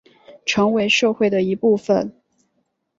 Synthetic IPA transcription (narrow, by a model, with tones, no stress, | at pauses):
ʈ͡ʂʰɤ˧˥ŋwe˧˥ɪʂɤ˥˧xwe˥˩ɪd̪ə˩i˧˥pu˥˩fə˨˩n